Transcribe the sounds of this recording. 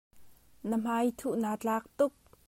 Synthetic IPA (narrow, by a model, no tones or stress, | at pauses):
nəm̥ajt̪ʰuʔnaːt͡ɬaːk̚t̪ʊk̚